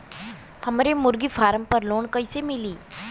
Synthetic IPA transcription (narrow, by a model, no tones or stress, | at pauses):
həmɾemuɾɡifaɾəmpəɾloːɳkəjsemiliː